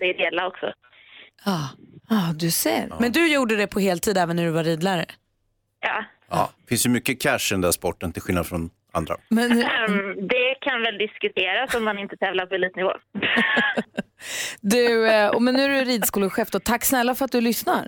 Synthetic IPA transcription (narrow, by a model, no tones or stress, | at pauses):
d̪̥ɛːd̪eːlaɔksɔ̰ | ɑːɑːd̪ɵsḛːɾmɛnd̪ɵjuːɖəd̪ɛpʰɔheːlt̪ʰiːd̪ɛːvənːæɖɵvaɾiːd̪læɾə | jɑ̰ː | fɪnsjɵmʏkːəkʰæʂɛnd̪æspɔʈːənt̪ʰɪlɧɪlnad̪fɾɔn | a̰nd̪ɾa̰mɛnd̪ɛkʰanvɛld̪ɪskɵt̪ʰeːɾasɔmːanɪnt̪ət̪ʰɛːvlaɾpʰɔɛliːt̪nɪvo̰ː | d̪ɵɔmɛnːʉæɖɵɾiːd̪skuːləɧɛːfd̪ɔt̪ʰakːsnɛlːafœɾat̪̚d̪ɵlʏsna̰ɾ